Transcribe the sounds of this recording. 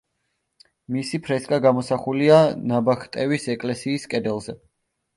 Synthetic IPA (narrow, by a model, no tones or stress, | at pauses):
misipʰɾɛskʼaɡamɔsaχulianabakʰt̪ʼɛvisɛkʼlɛsiːskʼɛd̪ɛlˠzɛ